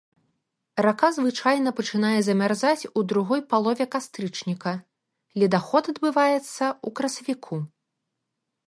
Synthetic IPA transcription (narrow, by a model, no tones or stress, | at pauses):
rakazvɨt͡ʂajnɐpɐt͡ʂɨnajɛzɐmʲarzat͡sʲud̪ɾuɣɔjpalˠɔvʲɛkast̪ɾɨt͡ʂnʲikɐ | lʲid̪axɔt̪ɐd̪bɨvajɛt̪sːɐukɾɐsɐvʲikʰu